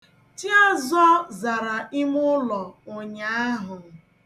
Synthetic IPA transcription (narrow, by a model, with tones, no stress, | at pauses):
ti˦ɔ˦zɔ˦za˨ɾa˨ɪ˦mʊ˦lɔ˨ʊ˨ɲa˨˦a˦ɦʊ˨